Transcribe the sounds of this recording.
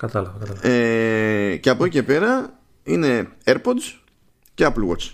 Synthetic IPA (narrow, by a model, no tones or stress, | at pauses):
kɐt̪ɐlɐɣokɐt̪ɐe | ceɐpo̞cice̞pe̞ɾɐ | ine̞eɾpod̪s | ceɐplɣot͡s